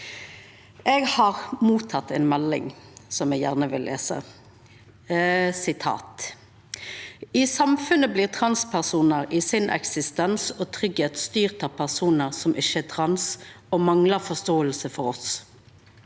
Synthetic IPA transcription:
ʔeːɡhɑːʁmuːt̪ʰɑt̪ːɛːnmɛlːɪ̰ŋsɔmɛɡjæ̰ːʁnəʋɪ̰llʔḛːsə̰ | sɪt̪ʰɑ̰ːt̪ | iːsɑmfʉnəbliːʁt̪ʰʁɑnspʰæʁsuːnəʁiːsɪnʔɛ̰ksɪst̪ɛnsoːt̪ʰʁʏɡheːt̪st̪yːʁt̪ɑːʋpʰæʁsuːnəʁsɔmʔɪʃəæːt̪ʰʁɑns | oːmɑŋləʁfɔst̪oːəlsəfɔɾɔs

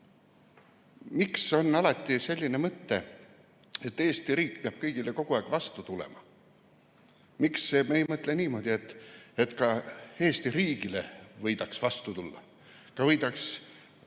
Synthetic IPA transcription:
mikso̞nːɑlɑt̪ˑːise̞lʲːine̞mɤt̪ːe̞ | et̪ːˑeːst̪iriːkpeɑb̥̚kɤjɡ̥ileko̞ɡ̥uɑˑːkvɑst̪ut̪ulḛmɑ | miksemejmɤt̪leniːmo̞d̪̥ʲie̞t̪ːˑet̪kɑeːst̪iriːɡ̥ilḛvɤjd̪ɑksvɑst̪ut̪ulːɑ̰ | kɑvɤjd̪̥ɑks

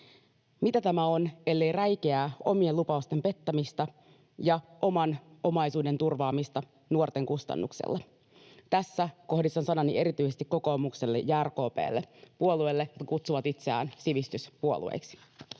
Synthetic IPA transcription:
mit̪æt̪æmæo̞nelːe̞jræjk̟e̞æːo̞mie̞lupɑust̪e̞mpe̞t̪ːæmist̪ɑ | jɑʔomɑno̞mɑjsuːde̞nt̪urʋɑːmist̪ɑ | nuort̪e̞ŋkust̪ɑ̰nːṵksḛlːɑ | t̪æsːæko̞hdist̪ɑnsɑnɑnie̞ɾit̪yjsest̪ikko̞ko̞ːmukse̞lːḛjːæːrko̞ːpḛːlːepuoluelːejot̪kɑkut̪suʋɑt̪it̪seæ̰ːnsiʋist̪yspuo̞̰lṵḛjksi̥

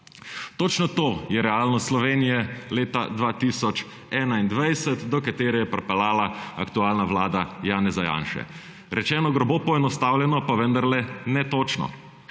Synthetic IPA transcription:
t̪ot͡ʃnɔt̪oːjɛɾɛaːlnɔst̪slɔʋeːnijɛleːt̪a̰d̪ʋat̪isɔt͡ʃ | ɛːnaind̪ʋajsɛt̪d̪ɔkat̪eːɾɛjɛpɾɛpɛlaːlaa̰kt̪uaːlnaʋlaːd̪ajaːnɛzaja̰ːnʃɛ̰ | ɾɛt͡ʃɛːnɔɡɾɔbopɔɛnɔst̪aːwljɛnɔpaʋənd̪aɾlɛnɛt̪oːt͡ʃnɔ̰

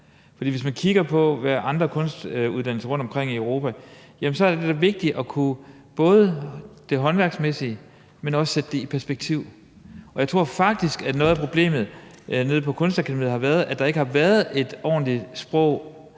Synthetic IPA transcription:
fɒd̥ḭːʋe̝smænkʰiɡ̥ɐpʰɒ̽ʋæɐʔɑ̈nd̥ʁɐkʰɔ̽nsd̥uðˠd̥ænl̩səʁɔ̽nd̥ɒ̽mkʰʁeŋ̰iəʊʁo̝pʰæjæmns̬ɒ̽ɐ̥ed̥ed̥æʋe̝ɡ̥̚d̥iʔɒ̽kʰu | b̥ɔ̽ːð̞ˠəd̥e̝ɦɒ̽nʋæɐɡ̥smesiə | menɒ̽ssed̥əd̥e̝ipʰæɐsb̥eɡ̥̚t͡sʰiʊ̰ | ʔɒjɑ̈ɪt͡sʰʁo̝ɐ̰fɑ̈ɡ̥̚d̥isɡ̥ænɔ̽ð̩ˠæpʰʁo̝b̥le̝̰ːmð̩ˠ | ne̝ð̞̩̰ˠpʰɒ̽kʰɔ̽nsd̥ækʰæ̥mḭð̩̰ˠhɑ̈ʋæːɐð̞ˠæd̥ɑ̈e̝ɡ̥əhɑ̈ʋæːɐð̩ˠe̝d̥ɒ̰ːnlisb̥ʁɔ̽ʊ̰

